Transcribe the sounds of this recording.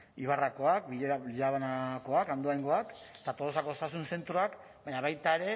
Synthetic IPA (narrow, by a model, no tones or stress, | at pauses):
iβ̞arako̞ak̚biʎeɾaʎaβanako̞akand̪oajŋɡo̞ak | et̪at̪oðosako̞sasunse̞nt̪ɾoak | baɲaβajt̪aeɾe̞